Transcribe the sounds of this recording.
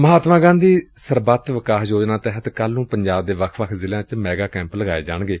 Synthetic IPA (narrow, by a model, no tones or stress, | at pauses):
məɦaːt̪mãːɡãːnd̪iːsəɾbət̪ʋəkaːɦjoːd͡ʒnaːt̪ɛːɦət̪kəlːũːpəɲd͡ʒaːb̚d̪eːʋəkʰʋəkʰzɪlãːt͡ʃmɛːɡaːkɛ̃ːmpləɡaːḛːd͡ʒa̰ːɳɡeː